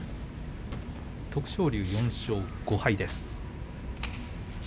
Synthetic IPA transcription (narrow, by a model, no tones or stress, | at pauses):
t̪o̞kɯ̟̥ɕo̞ːɾʲɯ̟ːjõ̞ɰ̃ɕo̞ːɡ̥o̞haid̪e̞sɨ̥